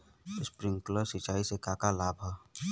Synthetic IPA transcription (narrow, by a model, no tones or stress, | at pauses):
spɾɪ̃ŋɡkləsɪt͡ʃaːisekaːkalaːbʱa